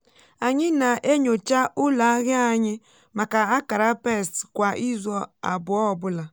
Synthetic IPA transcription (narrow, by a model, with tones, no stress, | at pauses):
a˨ɲɪ˦na˨ʔe˦ɲo˨t͡ʃa˦ʊ˦la˨˦ɣɪ˦a˨ɲɪ˦ | ma˨ka˨a˦ka˨ɾa˦pe˦˨stkʷa˨ʔi˦zɔ˨a̰˨bʊ˨ɔ˦˨bʊ˦la˨